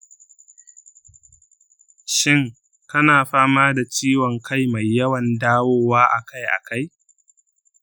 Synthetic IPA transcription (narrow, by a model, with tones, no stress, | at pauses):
ʃɪ˦ŋ | kɐ˦naː˨ɸaː˦maː˦da˨t͡ʃiː˦wɔ˨ŋkʰa˦jma˨jːɐ˦wɐ˨ndaː˦woː˦waː˦ʔa̰˨ka˦jʔa̰˨ka˦j